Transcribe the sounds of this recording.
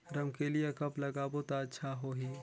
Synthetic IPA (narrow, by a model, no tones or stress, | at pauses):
ɾɐmkelijekɐplɐɡaːbot̪aətːʃʰaɦoɦiː